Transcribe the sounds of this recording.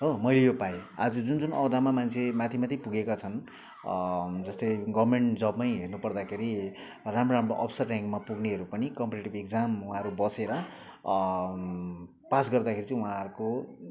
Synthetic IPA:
ɦomʌjlejopajea̰d͡zʌd͡zund͡zunʌwd̪amamant͡sʰemat̪ʰimat̪ʰipuɡekat͡sʰʌn | d͡zʌst̪ʌjɡʌbmeɳʈd͡zʌbmʌjɦernupʌrd̪akʰeɾi | ramroamroʔʌpsʌrːjaŋkmapuɡneɦʌɾupʌnikʌmpeʈeʈibekd͡zamuɦãʌɾubʌseɾʌ | pasɡʌrd̪akʰeɾit͡sʌ̃uɦãʌɾko

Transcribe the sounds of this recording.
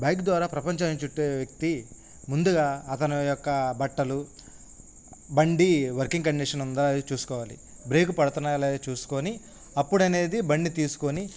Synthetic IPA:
baːkd̪ʋaːɾaːpɾɐpɐɲt͡ʃaːnit͡ʃuʈːeːʋjɐk̚t̪i | mund̪uɡaːɐt̪ɐnijɔkːɐbɐʈːɐlu | bɐɳɖiʋɐɾkiŋɡkɐɳɖiʂɐnund̪t͡ʃuːsu̥kɔːʋaːlḭ | bɾe̞ːkupɐɽut̪unːɐleːt͡ʃuːsu̥ko̞ni | ɐpːuɽɐne̞ːd̪ibɐɳɖit̪iːsu̥koni

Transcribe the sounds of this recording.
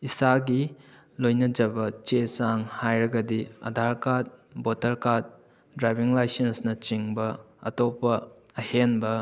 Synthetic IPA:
isaɡi | lojnɐd͡ʒɐbɐt͡ʃesaŋhajɾɐɡɐdiɐ̰dʱaɾkat̚botɐɾkat̚ | dɾajbiŋlajsensnɐt͡ʃiŋbɐ | ɐ̰topɐː | henbɐ

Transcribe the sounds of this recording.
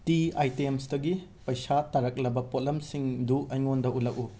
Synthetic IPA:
tiajtemsdɐɡi | pɐjsatɐɾɐk̚lɐbɐpot̚lɐmsiŋduɐjŋondɐʔulɐk̚u

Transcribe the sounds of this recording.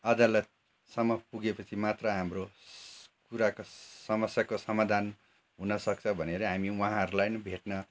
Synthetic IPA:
ʌd̪alʌt̪̚ | sʌmːʌpuɡepʌt͡sʰimat̪rʌɦamro | kuɾakosʌmʌsjakosʌmad̪ʱan | ɦunʌsʌk̚t͡sʰʌ̃bʱʌneɾʌɦamiwʌ̃ɦãʌɾulajnʌbʱeʈnʌ

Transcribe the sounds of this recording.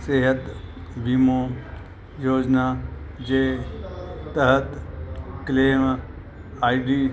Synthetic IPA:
seɦət̪bimoː | joːd͡ʒnaː | d͡ʒeː | t̪əɦət̪kleːm | aːiɖiː

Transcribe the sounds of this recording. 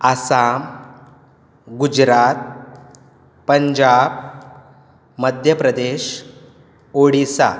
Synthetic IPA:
asam | ɡud͡ʑɾat̪̚ | pəɲd͡ʑab | məd̪ʱjəpɾəd̪eɕ | oɽisa̰

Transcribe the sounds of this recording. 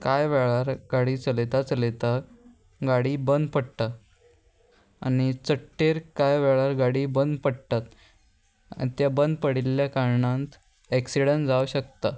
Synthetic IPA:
kajʋɛɭaɾɡaɽiːt͡səlet̪at͡səlet̪a | ɡaɽiːbənd̪pəɽt̪a | a̰nit͡səʈːeɾkajʋɛɭaɾɡaɽiːbənd̪pəɽt̪at̪ | t̪jabənd̪pəɽiljakaɾɳãnt̪ | eksiɽə̃nd͡zauɕəkt̪a

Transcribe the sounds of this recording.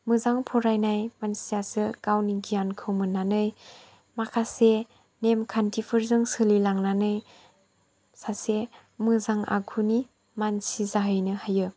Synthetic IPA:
mɯzaŋpʰɔɾajnajmansijasɯkawniɡijankʰɯwmɯnanɯj | makʰase | nemkʰantʰipʰɯɾzɯŋsɯlilaŋnanɯj | sase | mɯzaŋa̰kʰuni | mansizaɦɯjnɯhajɯ

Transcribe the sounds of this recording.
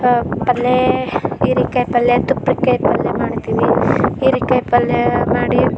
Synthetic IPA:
pɐlːeiːɾikɐjpɐlːet̪upːɾikːɐjpɐlːemaːɽt̪iːniiːɾikɐjpɐlːemaːɽi

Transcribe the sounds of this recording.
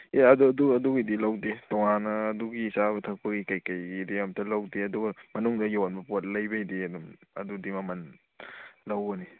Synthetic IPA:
eɐduduɐduɡidilawdetɔŋanɐːduɡisabɐtʰɐk̚pɐɡikajkajɡideɐmtʰɐlawdeɐduɡɐmɐnuŋdɐjawanbɐpot̚lɐjbajdeɐdumɐ̰dudimɐmɐn | lawɡɐni

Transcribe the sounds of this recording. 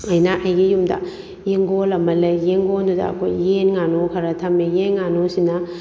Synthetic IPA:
ɐjnɐʔɐjɡijumdɐ̰ | jeŋɡolɐmɐlɐjːeŋɡoldudɐ̰ɐ̰kʰo̰jːenŋanokʰɐɾɐtʰɐmejenŋanosinɐ

